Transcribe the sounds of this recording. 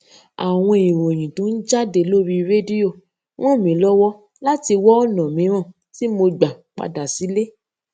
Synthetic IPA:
a˨w̃ɔ̃˧i˨wo˨j̃ĩ˨tõ˨˦n̩˦d͡ʒa˦de˨˦lo˦ɾi˧ɾe˦di˦o˦˨ | w̃ɔ̃˦˨mĩ˨˦lɔ˦wɔ˦ | la˦ti˧wɔ˦ɔ˦˨nɔ̃˨mĩ˨˦ɾ̃ɔ̃˦˨ | ti˦mo˧ɡ͡ba˨k͡pa̰˧da˨si˨˦le˦

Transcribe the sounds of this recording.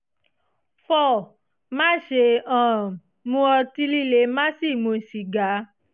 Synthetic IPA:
fɔ˦˨ | mã˦ʃe˧˨ã˨ | mũ˧˦ɔ˧ti˧li˦˨le˨˦mã˦si˦˨mũ˧˨si˨ɡa˨˦

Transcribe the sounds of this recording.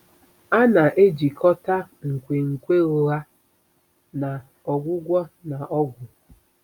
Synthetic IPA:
a˦na˨ʔe˦d͡ʒi˨kɔ˦ta˦ | ŋ̩˨kʷe˨ŋ̩˨kʷe˦ɣʊ˦ɣa˦ | na˨ | ɔ˨ɡʷʊ˦ɡʷɔ˦na˨ɔ˦ɡʷʊ˨

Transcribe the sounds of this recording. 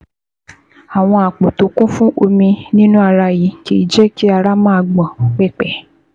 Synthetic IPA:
a˨w̃ɔ̃˧a˨k͡po˨to˨˦kũ˦fũ˦ʔo˧mĩ˧nĩ˦nũ˦a˧ɾa˧ji˨˦ki˦i˦˨d͡ʒɛ˦ki˦a˧ɾa˦mãː˦a˧ɡ͡bã˨k͡pɛ˦˨k͡pɛ˨˦

